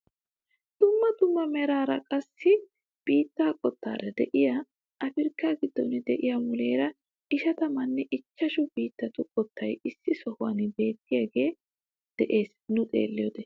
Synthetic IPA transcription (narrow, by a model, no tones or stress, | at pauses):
d̪̥ʊmːɐd̪ʊmːɐmɛɾaːɾɐkʼɐsːɪ | b̥iːt̪ːaːkʼɔt̪ːa̰ːɾɐd̪ɛʔɪja | ʔɐfɪɾkːaːɡɪd̪ːɔnɪd̪ɛʔɪjamʊle̞ːɾɐ | ɪʃɐt̪ɐmɐnːɛʔɪt͡ʃːɐʃʊbiːt̪ːɐt̪ʊkʼɔt̪ːɐjɪsːɪsɔhʊwɐ̰nɪbe̞ːt̪ːɪjaːɡe̞ː | d̪̥ɛʔe̞ːs | nʊt̪ʼe̞̰ːlːɪjoːd̪ɛ